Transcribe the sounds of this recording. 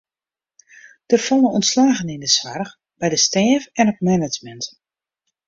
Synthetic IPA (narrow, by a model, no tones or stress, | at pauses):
d̥ərfɔnəənslaːɣənindəsʋarx | bɛjdəstɛːvɛnɔt̚mɛnəd͡ʒmɛnt